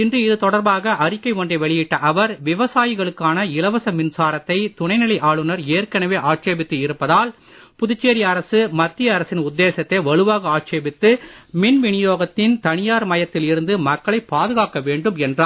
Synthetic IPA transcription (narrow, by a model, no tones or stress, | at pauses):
ɪndrɯɪðɯt̪ɔɽɐɾbaːɣɐʔɐɾɪkːɐɪkɔɳɖɐʋɛɭɪjɪʈːɐʔɐʋɐɾʋɪʋɐsaːjɪɣɐɭɯkːaːnɐɪlɐʋɐsɐmɪnsaːɾɐt̪ːɐɪt̪ʊɳɐɪnɪlɐɪʔaːɭɯnɐɾeːɾkɐnɐʋeːʔaːʈt͡ʃeːbɪt̪ːɯɪɾɯpːɐðaːl | pʊðʊt͡ʃːeːɾɪɐɾɐsɯmɐt̪ːɪjɐɐɾɐsɪnʊd̪ːeːsɐt̪ːɐʋɐɻɯʋaːɣɐaːʈt͡ʃeːbɪt̪ːɯmɪnʋɪɳɪjoːɣɐt̪ːɪnt̪ɐnɪjaːɾmɐjɐt̪ːɪlɪɾɯnd̪ɯmɐkːɐɭɐɪpːaːðɯɣaːkɐʋeːɳɖɯmɛndraː